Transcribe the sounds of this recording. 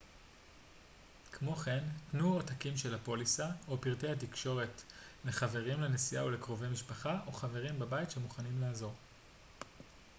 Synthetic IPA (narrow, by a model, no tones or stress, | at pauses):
kmo̞χe̞ntnuotakimʃe̞lapo̞lisao̞piʁtejhat̬ikʃo̞ʁe̞tle̞χave̞ʁimlenesija̰ole̞kʁo̞vejmiʃpaχaʔo̞χave̞ʁimbabajitʃemuχanimlaːzo̞ʁ